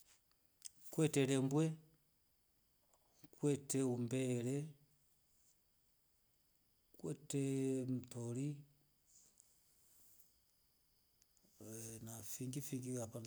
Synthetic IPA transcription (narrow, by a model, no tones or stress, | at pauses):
kwɛtɛɾɛmbwɛ | kwɛtɛumbɛɾɛ | kwɛtɛm̩toɾi | nafiŋɡifiŋɡikapan